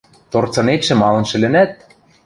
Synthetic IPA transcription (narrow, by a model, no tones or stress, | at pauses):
t̪ort͡sɤ̆net̪ʃɘ̆mɑlɤ̆nʃɘ̆lɘ̆næt̪̚